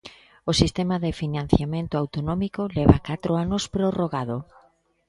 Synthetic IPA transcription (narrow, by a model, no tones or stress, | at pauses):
osist̪emaðɪfinãn̟θjamẽnt̪ʊawt̪onɔ̃mikolɛβakat̪ɾoanʊspɾoroɣaðo